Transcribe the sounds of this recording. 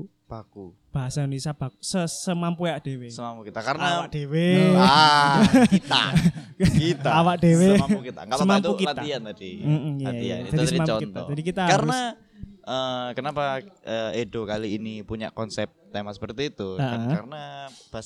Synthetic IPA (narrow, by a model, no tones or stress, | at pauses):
b̥aku | b̥aɦasaunisab̥akusəsəmampujaʔd̥ewesəmampukit̪akaɾənawakd̥ewe | a̰ | kit̪aawakd̥eweukit̪a̰ŋaəmamt̪ukiat̪aiaadim̩ʔm̩jaija̰d͡ʒadiədmampɔukit̪aɔ̰d͡ʒadikit̪aɦaaɾəna | ʔəkənapaəedokaliːnipuɲa̰ʔkɔnsɛp̚t̪emasə̥pərt̪iːt̪uəʔəaɾənab̥a